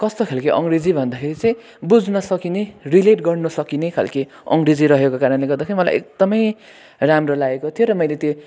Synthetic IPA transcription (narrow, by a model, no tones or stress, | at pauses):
kʌst̪okʰelkeʔʌŋɡɾed͡zibʱʌnd̪akʰeɾit͡sʌj̃ | bud͡znʌsʌkinerileʈɡʌrnʌsʌkinekʰa̰lke | ʌ̰ŋɡrid͡ziɾʌɦekokaɾʌnleɡʌrd̪akʰeɾimʌla̰jʔḛk̚d̪̥ʌmʌj | ramrʌlaekot̪ʰijoɾʌmʌjlet̪jo